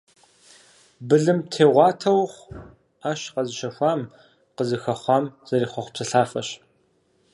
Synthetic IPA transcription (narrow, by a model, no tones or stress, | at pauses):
bɨɮɨmtʰeːʁʷɑːtʰɐwχʷ | aːʃqɐzɨʃɐxʷɑːm | qəzɨxɐχʷɑːmz̥ɐɾiːχʷɐχʷpsɨɬaːfɐɕ